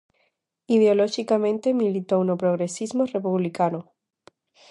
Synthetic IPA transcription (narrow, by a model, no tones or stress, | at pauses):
ið̞eoloxikamẽ̞nt̪emilit̪ounopɾoɣɾesizmore̞puβlikano